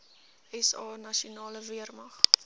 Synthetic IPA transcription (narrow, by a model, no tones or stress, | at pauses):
ɛsɑːnɐʃiunɑːləviərmɐχ